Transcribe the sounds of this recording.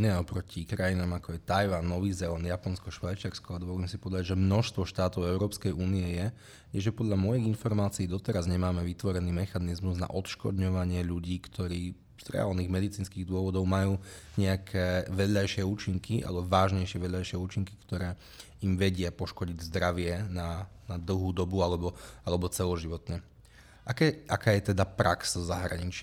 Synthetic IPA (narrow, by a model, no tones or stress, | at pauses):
inɛɔpɾɔcʰikɾajinaːmakɔajt̪ajʋanːɔʋizɛɔnjapɔnskɔʃʋajt͡ʃaɾskɔad̪ɔʋɔliːmsipɔd̪d̪aʒɛmnɔʃst̪ʋɔʃt̪aːt̪ɔʊɛʊɾɔːpskɛjʔuːniɛjɛ | jɛʒɛpɔd̪ʎamɔjiɣinfɔɾmaːt͡siːd̪ɔt̪ɛɾazɲɛmaːmɛʋit̪ʋɔɾɛniːmɛxanizmuzna̰ʔɔt̪ʃkɔ̰d̪ɲɔʋaɲɪɛʎuɟiːkt̪ɔɾiː | z̥ɾɛ̰a̰lniːɣmɛd̪it͡siːnskiːɣd̪ʊɔʋɔd̪ɔʊmajuːɲɛakʰɛːʋɛdlajʃɪɛuːt͡ʃiŋkiʔa̰lɛbɔʋaːʒɲɛjʃɪɛʋɛʎlajʃɪɛuːt͡ʃiŋki̥kt̪ɔɾɛː | imʋɛɟɪapɔʃkɔɟiɟzd̪ɾaʋɪɛnanad̪l̩ˠɦuːd̪ɔbualɛbɔalɛbɔt͡sɛlɔʒiʋɔt̪ɲɛ | ʔakɛʔakaːjɛt̪ɛd̪apɾakszaɦɾa̰ɲit͡ʃɪ